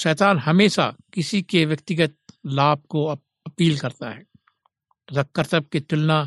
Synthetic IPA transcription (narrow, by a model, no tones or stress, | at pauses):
ʃɛːt̪aːnɦɐmeːʃa̰kɪsikeʋjɐkt̪ɪɡət̪̚laːb̚ko | ɐpiːlkɐɾt̪a̰ɦɛː | zɐkːəɾt̪əb̚ket̪ʊlna